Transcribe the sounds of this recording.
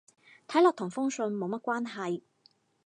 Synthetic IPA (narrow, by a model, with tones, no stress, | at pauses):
t̪ʰɐ˨˥jlɔː˨k̚t̪ʰʊ˨˩ŋfʊ˥ŋsɵ˧nmo˨˧wmɐ˥t̚kʷaː˥nɦɐ˨j